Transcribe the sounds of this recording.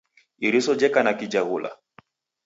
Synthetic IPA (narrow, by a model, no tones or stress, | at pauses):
iɾisɔd͡ʒɛkanakid͡ʒahula̰